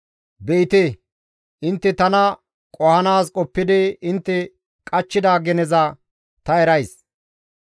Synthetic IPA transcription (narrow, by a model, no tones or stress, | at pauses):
bɛjt̪ɪ | ʔɪnt̪ːɪt̪ɐnɐ | kʼɔhɐnaːskʼɔpːɪd̪ɪɪnt̪ːɛ | kʼɐt͡ʃːɪd̪aːɡɛnɛzɐ | t̪ɐɛɾɐjs